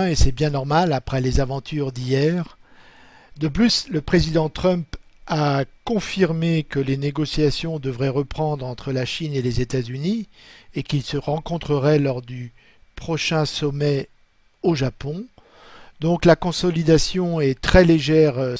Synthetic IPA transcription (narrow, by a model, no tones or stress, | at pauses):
esɛbjɛ̃nɔʁmalapχɛlezavɑ̃t̪ʰyʁd̪ijɛːʁ | d̪əplysləpχezid̪ɑ̃t̪χœ̃mp | akɔ̃fiʁmekəleneɡɔsjasjɔ̃d̪əvʁɛʁəpχɑ̃d̪ʁɑ̃t̪χəlaʃinelezet̪azyniekilsəʁɑ̃kɔ̃t̪χəʁɛlɔʁd̪y | pχɔʃɛ̃sɔmɛ | oʒapɔ̃ | d̪ɔ̃klakɔ̃sɔlid̪asjɔ̃ɛt̪χɛleʒɛʁ